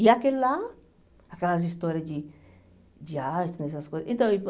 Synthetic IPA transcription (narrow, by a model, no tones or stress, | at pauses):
iakelːa | akelaz̬ist̪oɾjad͡ʒi | d͡ʒaest̪anesaskoent̪õi